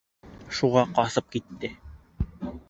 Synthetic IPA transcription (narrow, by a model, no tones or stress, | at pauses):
ʃuʁɑqɒsɤp̚kit̪ːɘ